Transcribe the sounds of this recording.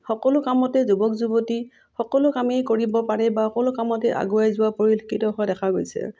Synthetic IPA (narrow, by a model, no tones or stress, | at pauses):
xɔkɔlʊkamɔtɛzubɔkzuboti | xɔkɔlʊkamejkoɹibɔpaɹɛbaxɔkɔlʊkamɔtɛʔa̰ɡuajzʊwapoɹilkʰitɔɦɔjdɛkʰaɡo̰jsɛ̰